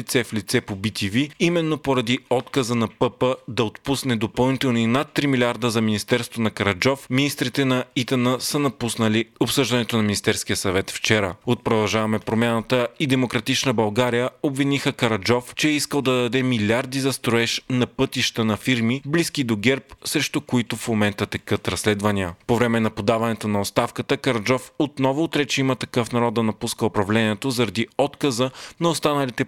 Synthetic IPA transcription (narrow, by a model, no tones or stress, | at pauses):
it̪sɛflit̪sɛpobit̪iviimɛnːopoɾɐd̪iɔt̪kɐzənɐpɤpəd̪ɐot̪pusnɛd̪opɐlˠnit̪ɛlˠnoinat̪ːɾimilʲiaɾd̪əzɐminist̪ɛɾst̪vonɐkɐɾɐd͡ʒɔfminist̪ɾit̪ɛnɐit̪ɐnəsənɐpusnɐliopsɤʒd̪ɐnɛt̪onɐmʲinist̪ɛɾsk̟iəsɐvɛt̪ft͡ʃɛɾəot̪̚pɾod̪ɐlˠʒavɐmɛpɾomʲjanət̪əid̪ɛmokɾɐt̪it͡ʃnəbɐlˠɡaɾijəobvinixəkɐɾɐd͡ʒɔft͡ʃɛɛiskəlˠd̪ɐd̪ɐd̪ɛmilʲaɾd̪izɐst̪ɾoɛʃnɐpɤt̪iʃt̪ənɐfiɾmiblisk̟id̪oɡɛɾpsɾɛʃt̪okoit̪ofmomɛnt̪ət̪ɛkɤt̪ɾɐslɛd̪vɐniəpovɾɛmɛnɐpod̪avɐnɛt̪onɐot̪st̪afkət̪əkɐɾɐd͡ʒɔfot̪nɔvʊːt̪ɾɛt͡ʃɛimət̪ɐkɤfnɐɾɔd̪d̪ɐnɐpuskəopɾɐvlɛniɛt̪ozɐɾɐd̪iɔt̪kɐzənɐost̪anɐlit̪ɛ